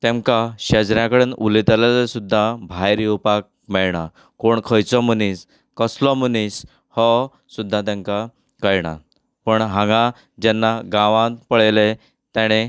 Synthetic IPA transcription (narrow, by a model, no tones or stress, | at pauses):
t̪ẽŋkaɕɛd͡zɾjãkəɽenulit̪lelesud̪ʱːabʱajɾiupak̚ | mɛɭɳa | koɳkʰəjt͡sɔmənis | kəslɔmənis | hɔ | sud̪ʱːat̪̬ãŋka | kəjɳa̰ | pəɳɦãŋɡã | d͡ʑɛnːaɡãʋãt̪pəɭele | t̪jaɽ̃e